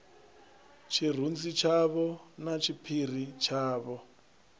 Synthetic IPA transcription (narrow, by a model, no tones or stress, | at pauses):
t͡ʃʰir̤und͡zit͡ʃʰaβɔnat͡ʃʰipʰir̤it͡ʃʰaːβɔ